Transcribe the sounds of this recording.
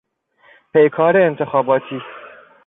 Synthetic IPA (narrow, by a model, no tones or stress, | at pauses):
pʰejkʰɑːɾeːɪnt̪ʰɨxɑːbɑːt̪ʰiː